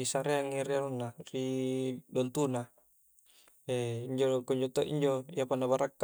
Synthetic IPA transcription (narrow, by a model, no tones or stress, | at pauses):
isaɾeaŋiɾiaɾunːaridɔnt̪una | eiɲd͡ʒokɔɲd͡ʒot̪oʔḭɲd͡ʒoiapanːabaɾʔakː